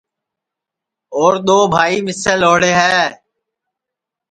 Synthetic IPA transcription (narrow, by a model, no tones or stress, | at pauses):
oːɾɗ̪oːbʱaːiːmɪseːloːɽeːɦɛː